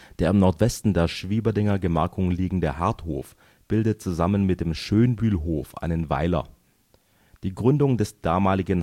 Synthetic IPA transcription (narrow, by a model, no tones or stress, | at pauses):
d̥eːɐɪmnɔɐtv̥ɛstn̩deːɐʃv̥iːbɐdɛŋɐɡəmɛɐkʰʊŋliːɡŋ̩dəhaɐtho̰ːf | b̥ɪldət̚t͡suzamənmɪt̚d̥eːmʃøːnbyːlɦoːfʔa̰ɪnənva̰ɪlɐ̰ | d̥iːɡʁʏndʊŋdɛsd̥aːmaːlɪɡən